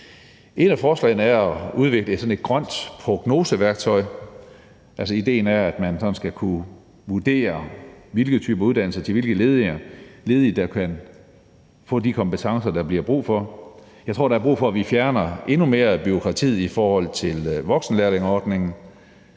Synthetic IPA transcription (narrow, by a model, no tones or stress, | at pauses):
ʔe̝d̥æfɒːslɛ̰ɪnəæɐɒuð̞ˠʋe̝ɡ̥ləe̝d̥sɒ̽ne̝d̥ɡ̥ʁɶn̰d̥pʰʁo̝ɡ̥no̝ːsəʋæɐɡ̥̚t͡sʰɒ̽ɪ̰ | ʔælsɐid̥e̝̰ːnæɐæd̥mænsɒ̽n̩sɡ̥ækʰu | ʋud̥e̝̰ːɐʋe̝lɡ̥ð̩ˠt͡sʰyːb̥ɐuðˠd̥ænl̩sɐt͡sʰe̝lʋe̝lɡ̥əle̝ːðˠeɐle̝ːð̞ˠid̥ɑ̈kʰæn | fɔ̰̽ːdikʰɒ̽mbpet͡sʰɑ̈ŋsɐd̥ɑ̈b̥liɐb̥ʁṵːfɒ̽ | jɑ̈ɪt͡sʰo̝ɐ̰ɾɑ̈æɐb̥ʁṵːfɒ̽æʋifjæɐnɐʔe̝nume̝ːɐb̥yo̝kʰʁɑ̈t͡sʰḭðˠifɒːhɒ̽l̰t͡sʰe̝lʋɒ̽ɡ̥sn̩leɐleŋɒːd̥ne̝ŋn̩